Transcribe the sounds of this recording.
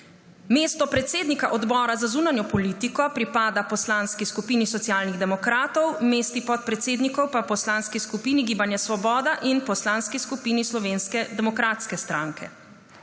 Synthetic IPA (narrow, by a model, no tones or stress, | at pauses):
meːst̪ɔpɾɛt̪seːd̪nikaʔɔd̪bɔːɾazazuːnanjɔpɔliːt̪ikɔpɾipaːd̪apɔslaːnskiskupiːnisɔt̪siaːlniɣd̪ɛmɔkɾaːt̪ɔwmeːst̪ipɔt̪̚pɾɛt̪seːd̪nikɔwpapɔslanskiskupiːniɡiːbanjɛsʋɔbɔːd̪aʔinpɔslaːnskiskupiːnislɔʋeːnskɛd̪ɛmɔkɾaːt̪skɛst̪ɾãŋkʰɛ̰